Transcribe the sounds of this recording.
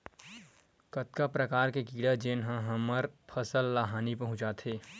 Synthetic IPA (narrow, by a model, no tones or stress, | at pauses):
kɐt̪kapɾɐkaːɾkekiːɽad͡ʒeːnɦãɦɐməɾpʰɐsəlːaːɦaːnipɐɦʊ̃t͡ʃaːt̪ʰeː